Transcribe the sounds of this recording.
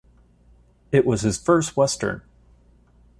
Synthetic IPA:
ɨʔwʌz̥ɨz̥fɜ˞st̚wɛstə̰̃˞n

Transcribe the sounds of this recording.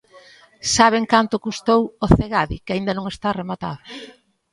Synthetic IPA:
saβ̞eŋkant̪ʊkust̪owoθeɣaðḭkɪaind̪ɐnõŋest̪aremat̪a̰ðʊ

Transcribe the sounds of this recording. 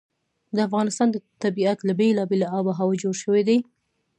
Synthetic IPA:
d̪əafɣɑnɪst̪ɑnd̪ət̪abiat̪labelɑbelaɑbaɦawad͡ʒoɽʃəwed̪aj

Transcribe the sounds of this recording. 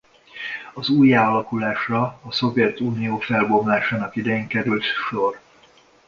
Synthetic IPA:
ɒzuːjaːlɒkulaːʃrɒːso̞vjɛt̪uːnijoːfɛlbo̞mlaːʃaːnɒkid̪ɛjeːŋkɛɾylt̪ʃo̞r

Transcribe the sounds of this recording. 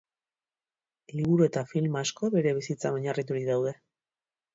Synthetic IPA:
liβuɾue̞t̪afilmaasko̞βe̞ɾe̞β̞isit͡saoɲarit̪uɾiðawð̞e̞

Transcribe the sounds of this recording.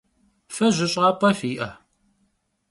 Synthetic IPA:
fɐʑʷɪɕʼʁɐpʼɐfiːʔɐ

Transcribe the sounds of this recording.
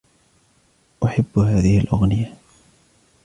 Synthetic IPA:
ʔʊħabːhaːðɪhɪlʔaɣnɪja

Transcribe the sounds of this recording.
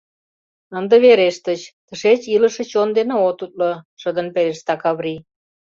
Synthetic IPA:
ənd̪ə̆βeɾeʃt̪ət͡ɕt̪ə̆ʃet͡ɕiləʃĕt͡ɕond̪eneot̪ut̪̚loʃəd̪ə̆npeɾeʃt̪ɑkɑβri

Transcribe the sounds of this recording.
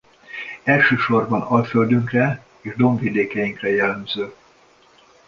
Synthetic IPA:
ɛlʃøːʃo̞rbɒnɒlføld̪yŋkrɛ | eːʒd̪o̞ɱvid̪eːkɛjiŋkrɛjɛlːɛmz̥øː

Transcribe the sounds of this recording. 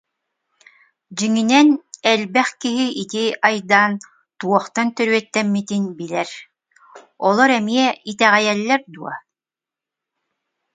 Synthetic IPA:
d͡ʑiŋinɛnɛlbɛχkiɦiʔit̪iajd̪aːn | t̪uɔχt̪ant̪œɾyœt̪ːɛmːit̪inbilɛɾ | ɔlˠɔɾɛmiɛit̪ɛʁɛjɛlːɛɾd̪uɔ̰

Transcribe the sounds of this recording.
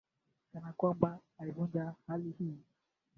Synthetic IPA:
kanakwambaaivund͡ʒahalihiː

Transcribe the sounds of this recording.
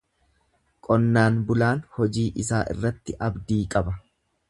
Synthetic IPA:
kʼɔnːaːnbʊlaːnhɔd͡ʒiːʔɪsaːʔɪ̰rːɐt̪ːɪʔɐbd̪iːkʼɐbɐ

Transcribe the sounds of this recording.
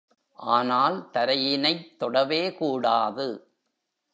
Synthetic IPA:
ʔaːnaːlt̪ɐɾɐjɪnɐɪt̪ːɔɽɐʋeːkuːɽaːðɯ

